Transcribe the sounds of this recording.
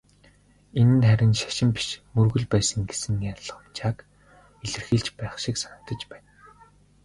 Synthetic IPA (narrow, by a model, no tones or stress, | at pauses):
enɘ̆nχæɾʲɪ̆nʃḁʃɪ̆mpi̥ʃmɵrɣɵ̆ɮpæːsə̆ŋɡesɘ̆ŋjaɮə̆χ̆mt͡ɕaːk | eɮɘ̆rxiːɮt͡ɕpæːχʃiksanə̆t̪ə̆t͡ɕpæːn